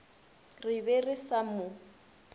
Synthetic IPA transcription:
rɪbɛrɪsamʊ

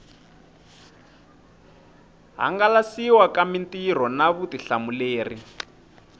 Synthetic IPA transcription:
ɦa̰ŋɡalasiwakamintir̤ɔnaβutiɬamuleːri

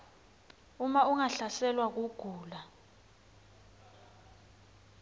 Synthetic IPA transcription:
umauŋaɬasɛlwak̬uɡ̥ʱuːla

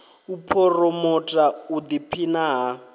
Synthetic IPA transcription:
upʰɔrɔmɔtʼaud̪ipʰinaɦa

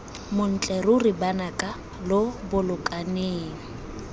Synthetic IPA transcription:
mʊn̩t͡ɬʼɛrʊrɪbanakʼa | lʊbʊlʊkʼaneːŋ̩

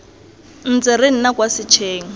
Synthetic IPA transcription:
n̩t͡sɪɾɪn̩nakʼwasɪt͡ʃʰeːŋ̩

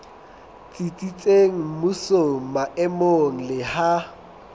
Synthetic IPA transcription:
t͡sʼit͡sʼit͡sʼeŋ̩mʊsoŋ̩maʔɛmoŋ̩lɪha

